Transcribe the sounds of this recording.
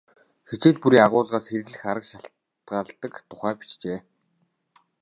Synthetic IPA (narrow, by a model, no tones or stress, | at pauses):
xet͡seːt̪̚puɾiːaʁʊːɮʁaːsxeɾɘ̆ɮɘ̆xaɾə̆kʃaɬ | t̪̚ɢaːɮt̪ə̆kt̪ʰʊ̥χæːpi̥t͡ɕt͡ɕeː